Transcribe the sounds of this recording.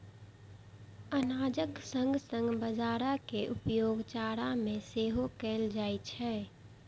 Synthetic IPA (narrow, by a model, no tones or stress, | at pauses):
ənaːd͡ʒəksə̃ŋɡsə̃ŋɡbəd͡ʒaːɾakeʔupjoːɡt͡ʃaːɾamẽseɦokɛːld͡ʒaːjt͡ʃʰɛː